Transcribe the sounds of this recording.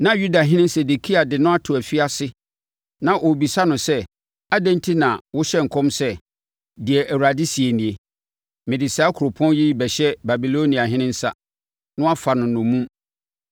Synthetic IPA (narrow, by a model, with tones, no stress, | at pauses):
nã˦ju˦da˨ɦɪ̃˦nɪ̃˦n˦sɛ˨du˨kʰi˦a˨dɪ˨nʊ̃˦a˦tʰʊ˨æ˨fi˦a˦sɪ˦ | nã˨ʔo˨bi˨sa˦nʊ̃˨sɛ˦ | a˦dɛ̃˦ntʰi˦nã˨wʊ˦ɕɛ˦ŋ̩˨kʰɔ̃˦msɛ˦ | dɪ˨ɛ˨ʔæ˨wɾa˨di˦si˨e˨nĩ˨e˨ | mɪ̃˨dɪ˨saː˨˦kʰʊ˨ɾo˨pʰɔ̃˦n˦ji˦bɛ˨ɕɛ˦ba˨bi˨lo˦nĩ˨a˨ɦɪ̃˦nɪ̃˦n˦sa̰˦ | nʊ̃˦a˦fa˨nʊ̃˨nʊ̃˨mũ˦m